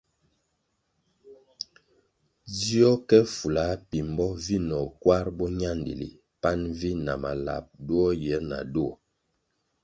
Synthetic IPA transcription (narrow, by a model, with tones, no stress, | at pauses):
di˦ɔ˦kɛ˦fu˨la˨˦pi˨mbɔ˦vi˦nɔ˨kwa˦ɾbɔ˦ɲa˦ndḭ˨lḭ˨ | pa˦nvi˦na˨ma̰˨la̰˨p̚du˦ɔ˦jɛ˨˦na̰˨do˦ɔ˨